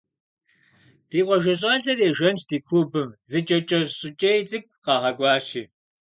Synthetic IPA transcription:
r̥iːqʷɔʒɐɕ̬ʼɐɮɐreːʒɐnt͡ʃdiːkʷʰubɨmzɨt͡ʃʼɐt͡ʃʼɐɕʼɪt͡ʃʼɐjt͡sʼɨk̚ʷʰʼqɑːʁɐɡʷʼɑːʃiː

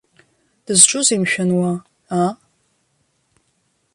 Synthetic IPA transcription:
d̥ɨzʈ͡ʂʷʼʊzimʃᶣɐnwa | aː

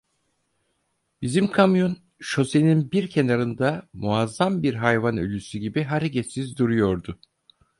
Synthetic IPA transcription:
b̥izimkʰamjo̞n | ʃo̞se̞ninbiɾcʰe̞naɾɯnd̪amuazːambiɾɦajvanø̞̰lʲysyɟibiɦaɾecʰɛt̪sizd̪uɾujo̞ɾd̪ʊ

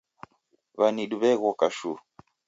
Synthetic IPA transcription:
βaniɗuβɛɣɔkaʃu

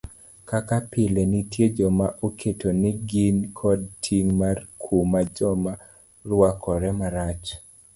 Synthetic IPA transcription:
kakapɪlenitjed͡ʒɔmaʔokʰetonɪɡinkʰɔd̚tʰiŋmarkʰumad͡ʒɔma | rwakʰɔɾɛmaɾat͡ʃ

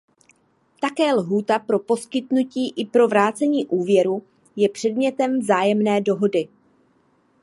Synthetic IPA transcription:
t̪akɛːlɦuːt̪apɾo̞po̞skɪt̪nuciːʔɪpɾo̞vɾaːt͡sɛɲiːʔuːvjɛɾu | jɛpr̝̥ɛdmɲɛt̪ɛmvzaːjɛmnɛːdo̞ɦo̞dɪ

